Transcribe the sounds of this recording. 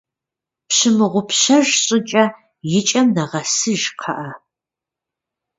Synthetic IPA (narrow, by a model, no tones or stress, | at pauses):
pɕɪmɨʁʷʊpɕɐʒɕʼɪt͡ʃʼɐ | jɪt͡ʃʼɐmnɐʁɐsɨʒqʰɐʔɐ